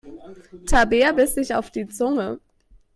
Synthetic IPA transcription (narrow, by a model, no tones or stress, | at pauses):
tʰabeːɐbɪsd̥ɪça̰ʊfd̥iːt͡sʊŋə